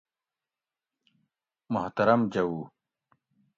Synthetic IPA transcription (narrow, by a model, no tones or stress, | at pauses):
mʊht̪ɐɾɐmd͡ʑɐwuː